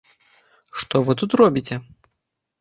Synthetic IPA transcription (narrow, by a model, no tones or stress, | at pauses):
ʂt̪ɔvɨt̪̬ut̪rɔbʲit͡sʲɛ